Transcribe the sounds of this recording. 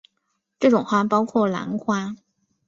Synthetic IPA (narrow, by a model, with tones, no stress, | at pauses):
ʈ͡ʂɤ˥˩ʈ͡ʂʊ˨˩ŋxwa˥pɑ˥ʊkʰwɔ˥˩la̰˧˥nkʰwa˥